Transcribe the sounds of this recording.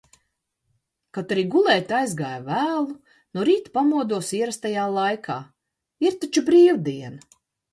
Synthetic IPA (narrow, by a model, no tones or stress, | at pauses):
kat̪aɾiːɡulˠɛːt̪ajzɡaːjvæːlˠu | nɔɾiːt̪pamuɔd̪uɔsiɛɾast̪ajaːlˠajkʰaː | iɾt̪at͡ʃubɾiːwd̪iɛn